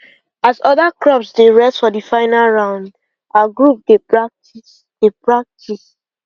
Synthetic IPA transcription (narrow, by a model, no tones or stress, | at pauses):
azɔðakɹɔpsdeɹɛstfɔdifaɪnalɹãʊ̃nd | aɡɹup̚depɹak̚tis | depɹak̚tʰis